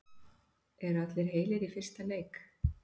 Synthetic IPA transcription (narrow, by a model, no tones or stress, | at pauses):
ɛɾat̪lɪɾ̥ɦeːjlɪɾifɪr̥st̪aleːjk